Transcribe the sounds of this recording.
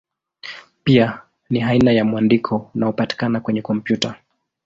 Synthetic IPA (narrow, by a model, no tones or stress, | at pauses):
pia | niɦainajamwandikʰɔunaɔpati̥kanakwɛɲɛkɔmpjuta